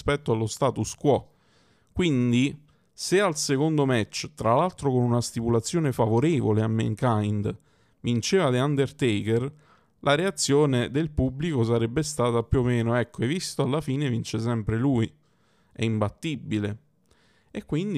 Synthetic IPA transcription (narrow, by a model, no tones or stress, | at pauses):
spɛt̪ːoalːost̪aːt̪uskwɔ | kːwind̪i | sealsekond̪omɛt͡ʃːt̪ɾalalt̪ɾokonunast̪ipulat̪sːjoːnefavoɾeːvoleamːḛŋkajnd̪ | vint͡ʃeːvad̪eand̪ert̪eker | lʔaɾeat̪sːjoːned̪elpublikos̬aɾɛbːest̪aːt̪apjuomːeːnoɛkʰːoevist̪oalːafiːnevint͡ʃesɛmpɾeluj | ɛ̰imbat̪ːibːile | ekːwind̪i